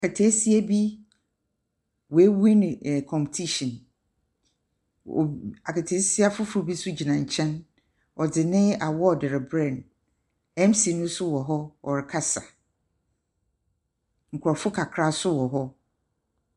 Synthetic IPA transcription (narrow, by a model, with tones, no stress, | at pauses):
a˨kʰa˨tʰe˨˦si˦a˦bi˦ | wɔ˨e˦wi˦nɪ̃˨kʰɔ̃˨mptʰi˦ʃɔ̃˨n˨ | a˨ka˨tʰe˨˦si˦a˦fʊ˦fʊ˦bi˦sʊ˦d͡ʑi˨nã˨ɲ̩˨t͡ɕʰɛ̃˦n | ɔ˨dɪ˨nɪ̃˦a˨wɔ˦˨dɪ˨ɾɪ˨bɾɛ̃˦˨n | ɛ̃˦msi˨nʊ̃˦sʊ˦wɔ˨ɦɔ˦ɔ̰˨ɾɪ˨kʰa˦sa˨ | ŋ̩˨kʰʊ˨ɾɔ˨fʊ˦kʰa˨kʰɾa˦sʊ˦wɔ˨ɦɔ˦